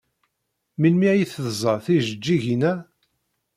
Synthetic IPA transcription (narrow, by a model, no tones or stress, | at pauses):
milmiʕjiθəðzˤəθiʒəd͡ʒːiʝinæ